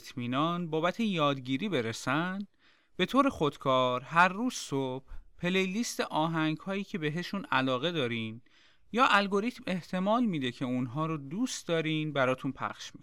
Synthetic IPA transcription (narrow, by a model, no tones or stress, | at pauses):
t̪ʰmiːnɒnbɒːbæt̪ʰe̞jɒːd̪ɟiːɾiːbe̞ɾesænd̪̥ | be̞t̪ʰoːɾe̞xo̞d̪̥kʰɒːɾɦæɾːuːz̥sob̥pʰːe̞lejliːst̪eʔɒːɦæŋɡhɒːjiːcʰe̞be̞ɦe̞ʃunælɒːɣe̞d̪ɒːɾin | jɒːʔælɡo̞ɾit̪me̞ht̪ʰe̞mɒːlmiːd̪e̞cʰe̞unɦɒːɾod̪uːst̪d̪ɒːɾiːnbæɾɒːt̪ʰunpʰæ̰χʃmik